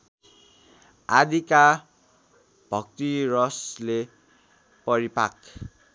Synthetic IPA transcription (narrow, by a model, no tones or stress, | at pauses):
ad̪ʱika | bʱʌk̚t̪iɾʌsle | pʌɾipak